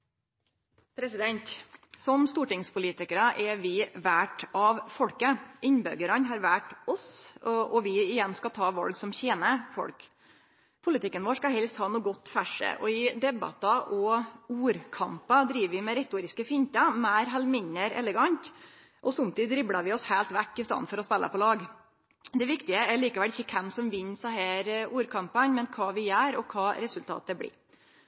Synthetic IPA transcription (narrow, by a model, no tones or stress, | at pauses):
pʰɾɛsɪd̪ɛnt̪sɔmst̪uːʈɪŋspʰʊliːt̪ɪkəɾɑʔɛʋɪʋæːʈɑʋfɔlkəɪɲbœɡəɾɑnɦɑːɾʋæʈɔsʔɔʋɪɪjɛnskɑt̪ʰɑːʋɑ̰lɡsɔmçeːnəfɔ̰ɽk | pʰʊlɪt̪ʰɪkːənʋoːʂkɑɦɛlst̪hɑːnuːɡɔt̪ːfæʂə̰ʔɔɪd̪ɛbɑ̰t̪ɑʔɔuːɾkʰɑmpɑd̪ɾiːʋəʋɪmɛɾɛt̪uːɾɪskəfɪnt̪ɑmæːɾɦɛlmɪɲːəɾɛ̰ləɡɑɲt̪ | ʔɔsɔmt̪ʰiːd̪ɾɪbɽɑʋɪɔshæːlt̪ʋækːɪst̪ɑ̰n̩fɔɾɔspɛlʔə̰pɔlɑːɡ | d̪ɛʋɪkt̪ɪəɛɾɭiːkɑʋɛlɪçːəkʰɛmsɔmʋɪɲːsæɪɦeːɾuːɾkʰɑmpɑɲmɛnkʰɑːʋɪjæːɾɔkʰɑːɾɛsʉlt̪ʰɑ̰ːt̪əbɽḭːɾ